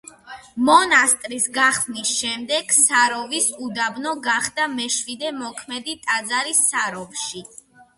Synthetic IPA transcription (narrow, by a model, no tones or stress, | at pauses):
mɔnast̪ʼɾisɡaχnisʃɛmd̪ɛɡ̥saɾɔvisud̪abnɔɡaχd̪amɛʃwid̪ɛmɔkʰmɛd̪it̪ʼad̪zaɾisːaɾɔvʃi